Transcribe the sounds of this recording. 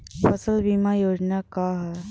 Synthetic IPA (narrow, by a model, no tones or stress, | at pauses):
fəsəlbimajod͡ʑnakaɦa